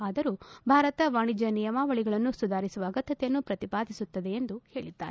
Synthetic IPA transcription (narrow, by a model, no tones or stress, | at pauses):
aːd̪ɐɾuːbʱaːɾɐt̪ɐʋaːɳid͡ʒɐnijɐmaːʋɐɭiɡɐɭɐnːusud̪aːɾisuʋɐːɡɐt̪ːɐt̪ɛjɐnːupɾɐt̪ipaːd̪ʱisut̪ːɐd̪e̞end̪uhe̞ːɭid̪ːa̰ːɾe